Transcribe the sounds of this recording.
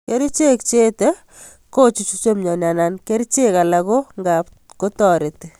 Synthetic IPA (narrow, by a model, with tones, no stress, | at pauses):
ke˦ɾi˦t͡ʃe˦k̚t͡ʃe˦te˦ | ko˦t͡ʃi˨t͡ʃut͡ʃo˦mɲɔ˨na˨na˨nke˦ɾit͡ʃe˦ka˨la˨ko˦ŋɡa˨p | ko˦tɔ˨ɾe˨ti˨